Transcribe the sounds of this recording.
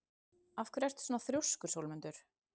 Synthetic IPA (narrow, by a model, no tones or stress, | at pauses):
afkʏɾɛr̥t̪sɔːnaθɾjowskʏɾ̥sowlmʏnt̪ʏɾ̥